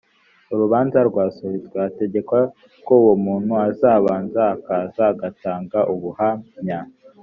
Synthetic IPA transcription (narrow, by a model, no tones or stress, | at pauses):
uɾuβaːnzaɾɡwaːsuhizɡweate̞ɟe̞kwa | kowomuːn̥huazaːβaːnzaːkaːzaːɡataːŋɡaʔuβuhamɲa